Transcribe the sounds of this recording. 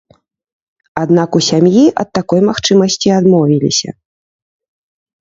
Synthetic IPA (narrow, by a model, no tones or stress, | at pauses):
ad̪nakusʲamjiʔɐ̰t̪ːakɔjmaxt͡ʂɨmɐsʲt͡sʲiad̪mɔvʲilʲḭsʲɐ̰